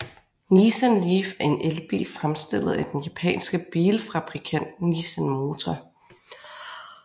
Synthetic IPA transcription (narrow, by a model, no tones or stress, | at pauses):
nisənlifæɐe̝nʔelb̥ḭːlfʁamsd̥e̝l̰ð̩ˠæd̥enjæpʰɛ̰ːnsɡ̥əb̥iːlfʁɑ̈b̥ʁikʰæn̰d̥nisənmo̝ːt͡sʰɒ